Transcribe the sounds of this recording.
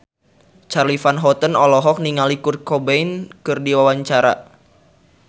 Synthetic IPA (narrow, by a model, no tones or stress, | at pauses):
t͡ʃarlifanɦɔt̪ənɔlɔɦɔk̚niŋalikur̚kɔbeinkɨrdiwawaɲt͡ʃaɾa̰